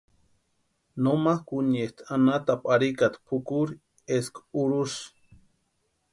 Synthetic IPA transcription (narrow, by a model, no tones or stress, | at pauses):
nomakunest̪ʰanat̪apʼaɾikat̪pʰukuɾ | eskuɾuʃ